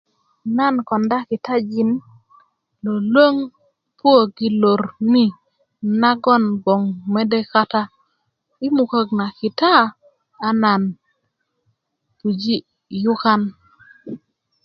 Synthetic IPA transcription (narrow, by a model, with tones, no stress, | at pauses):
na˦˨nkɔ˨nda˦ki˨ta˦d͡ʒi˨n | lo˨lwo˦ŋ | pwo˦˨ɡi˦lo˨ɾni˦ | na˦ɡɔ˦˨nbɔ˨ŋme˦de˦ka˦ta˦ | i˦mu˨ko˨ɡna˨kɪ˨taː˦˨ | na˨n | pu˨d͡ʒi˦ | jʊ˦ka˦n